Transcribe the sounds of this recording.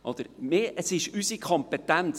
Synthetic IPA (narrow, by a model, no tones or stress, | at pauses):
ʔɔd̪̥əɾmeːəsɪʃysikʰɔmpet̪ænt͡s